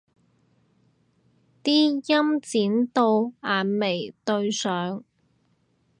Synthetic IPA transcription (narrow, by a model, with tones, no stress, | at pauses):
t̪iː˥jɐ˥mt͡siː˨˥nt̪o˧waː˨nme˨˩jt̪ɵ˧ɥsœː˨˥ŋ